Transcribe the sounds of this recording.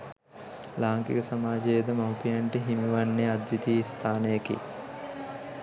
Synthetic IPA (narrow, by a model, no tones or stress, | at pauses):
laːŋkḭkəsamaːd͡ʒejed̪əmawpijaɳʈiɦimuʋanːead̪ʋit̪iːst̪ʰaːnəjekḭ